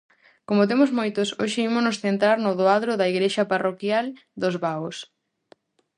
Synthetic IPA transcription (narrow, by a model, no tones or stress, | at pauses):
komʊt̪̬emʊzmojt̪ʊsoʃɪimʊsnosθent̪ɾaɾnʊðoaðɾʊðɐiɣɾeʃɐparokjal | d̪ozβaos